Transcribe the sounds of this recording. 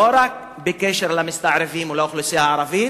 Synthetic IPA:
oɾak̚ | bekeʃeɾlamɪst̪aʕɾɪviːmulaʊxlusihaʕɑɾˤɑviː

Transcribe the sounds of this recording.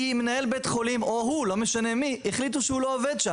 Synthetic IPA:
imenae̞lbet̪χo̞limoɦulo̞meʃane̞mieχlit̪̬uʃeulooved̪ʃa

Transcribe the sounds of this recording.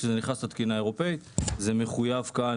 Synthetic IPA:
ʃezeniχast̪at̪kinae̞ʁo̞pe̞it̪zeme̞χujavka

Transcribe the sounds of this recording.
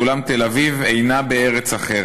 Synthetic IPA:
ulamt̪e̞lavivejnabeeʁet͡saχe

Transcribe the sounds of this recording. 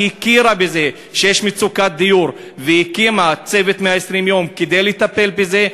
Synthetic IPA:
ikiɾabeze̞ | ʃejeʃmit͡sukat̪̚d̪ijuʁ | vejikimat͡se̞vet̪meaesʁimjo̞mked̪ejlet̪ape̞lbeze̞

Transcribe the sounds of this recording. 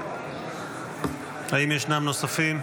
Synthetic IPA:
haimjeʃnamno̞safim

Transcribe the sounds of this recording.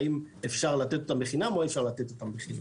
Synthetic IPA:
imefʃaʁlat̪et̪ot̪ambeχinamo̞efʃaʁlat̪e̞t̪o̞t̪ambeχina̰

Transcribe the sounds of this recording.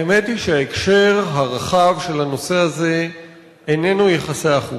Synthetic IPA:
eme̞t̪iʃeaekʃe̞ʁɦaʁaχavʃe̞lhano̞se̞aze̞ | ene̞nujeχaseaχu

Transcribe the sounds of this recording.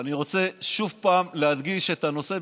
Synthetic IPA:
aniʁo̞t͡se̞ʃuvpaːmlead̪ɡiʃet̪ano̞se̞

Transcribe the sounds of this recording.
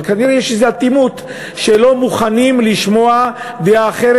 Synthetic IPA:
kaniʁejeʃezeat̪imut̪ | ʃelo̞muχanimliʃmo̞a | d̪eaːχeɾe

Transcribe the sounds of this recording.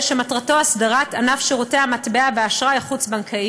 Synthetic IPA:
ʃematʁato̞asdaʁat̪anafʃeʁuteamat̪beaveaʃʁajχut͡sbaŋkʰai

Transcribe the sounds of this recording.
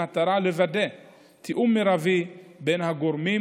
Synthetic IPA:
at̪aɾalevadɛ | t̪ʰiʔumːiɾavibɛnhaɡɔɾmi

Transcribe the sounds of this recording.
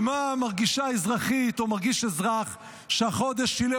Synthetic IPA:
mamaʁɡiʃaezʁaχit̪omaʁɡiʃezʁaχ | ʃeaχo̞d̪eʃile

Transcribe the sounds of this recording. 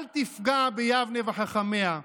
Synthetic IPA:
lt̪ifɡabejavnevaħaχamea

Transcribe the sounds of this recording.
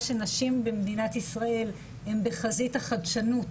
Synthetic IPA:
ʃe̞naʃimbemed̪inatisʁae̞l | hembe̞χazitaχadʃanut

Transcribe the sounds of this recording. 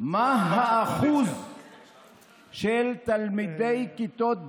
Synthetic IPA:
maɦaʔaχuz | ʃelt̪almid̪ejkit̪ot̪̚

